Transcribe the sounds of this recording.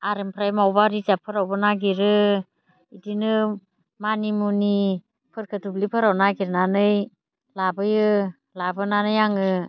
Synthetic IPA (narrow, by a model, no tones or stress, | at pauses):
aɾɯmpʰɾajmawbaɾizapʰɯɾawbɯnaɡiɾɯ | idinɯ | manimuni | pʰɯɾkʰɯtublipʰɯɾawnaɡiɾnanɯj | labɯjɯ | labɯnanɯjaŋɯ